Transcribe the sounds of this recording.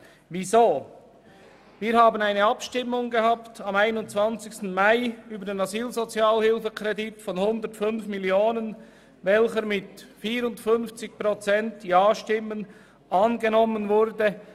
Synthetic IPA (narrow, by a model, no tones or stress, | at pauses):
vizoː | viːɾhaːbənaɪnəɑpʃtɪmːʊŋɡəhaːptɑmaɪnʊnt͡sv̥ɑnt͡sɪçstn̩maɪyːbədeːnaziːlzot͡sjaːlhɪlfəkʁɛditfɔnhʊndətfʏnfmɪljoːnən | vɛlçəɾmɪtfiːɾʊntfʏnft͡sɪçpʁot͡sɛntjaːʃtɪmːən | ɑːnɡənɔmənvʊɾdə